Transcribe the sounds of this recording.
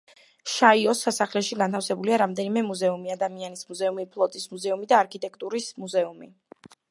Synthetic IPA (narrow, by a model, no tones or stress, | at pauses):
ʃaiɔsːasaχlɛʃiɡant̪ʰafsɛbuliaɾamd̪ɛnimɛmuzɛumiad̪amianismuzɛumipʰlˠɔt̪ʼismuzɛumid̪aːɾkʰit̪ʼɛkʰʼt̪ʼuɾismuzɛumi